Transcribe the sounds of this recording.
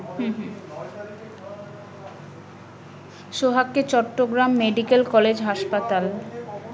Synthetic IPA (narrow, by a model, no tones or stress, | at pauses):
ɦɦ | ʃoɦakːet͡ɕɔʈːoɡɾamːeɖikelkɔled͡ʑɦaʃpat̪al